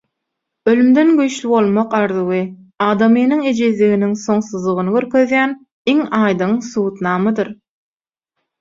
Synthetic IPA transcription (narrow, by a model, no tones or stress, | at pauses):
ølymd̪enɡyjʃlybo̞lˠmoqɑɾðɯwɯ | ɑːd̪ɑmɯːnɯŋed͡ʒezliɣiniŋso̞ŋsuzlˠuʁɯnɯɡøɾkʰøðjæːn | iŋɑːjd̪ɯŋsuːt̪nɑːmɯd̪ɯɾ